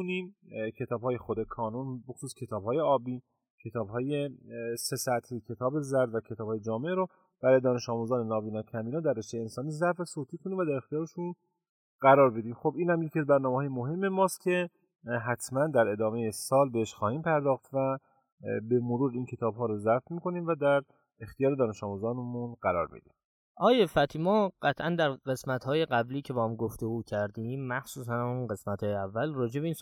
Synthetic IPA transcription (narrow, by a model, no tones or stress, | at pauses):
unimcʰe̞t̪ʰɒːbhɒːjexod̪ekʰɒːnunbexosuːskcʰe̞t̪ʰɒːbhɒːje̞ɒːbiː | cʰe̞t̪ʰɒːbɦɒːjese̞sæt̪ʰhicʰe̞t̪ʰɒːbe̞zæɾd̪væcʰe̞t̪ʰɒːbhɒːjed͡ʒɒːmeɾo | b̥æɾjed̪ɒːne̞ʃɒːmuzɒːnenɒːviːnɒːcʰæmbiːnɒːd̪æɾrːeʃt̪ejensɒːniːzæɾfesoːt̪ʰiːkʰo̞niːmvæd̪æɾe̞xt̪ijɒːɾeʃun | ɡæɾɒːɾbe̞d̪iːmxobiːnhæmjecʰiæzbæɾnɒːmehɒːjemoɦe̞mːemɒːst̪cʰe̞ | ɦæt̪ʰmænd̪æɾe̞d̪ɒːmejesɒːlbeeʃxɒːhiːmpʰæɾd̪ɒːxt̪væ | be̞moɾuːɾiːncʰe̞t̪ʰɒːbɦɒːɾɔzætmiːko̞niːmvæd̪æɾ | ext̪ijɒːɾe̞d̪ɒːne̞ʃɒːmuzɒːnmunɢæɾɒ̰ːɾmḭd̪ḭm | ʔɒːjefæt̪ʰiːmɒːɢ̥æt̪ʰʔænd̪æɾɢe̞smæt̪hɒːje̞ɢæbliːcʰe̞bɒːhæmɡoft̪o̞ɡuːcʰæɾd̪imːæxsuːsænunɢe̞smæt̪hɒːjeævːælrɒːd͡ʒe̞beiːn